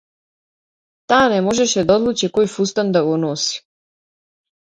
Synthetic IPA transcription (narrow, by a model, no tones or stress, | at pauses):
t̪aːnemo̞ʒeʃed̪ao̞d̪lˠut͡ʃekojfust̪and̪aɡonosi̥